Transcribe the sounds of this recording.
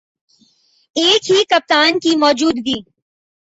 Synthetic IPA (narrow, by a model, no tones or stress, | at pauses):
eːkɦikɐp̚t̪aːnkimɔːd͡ʒuːd̪ɡiː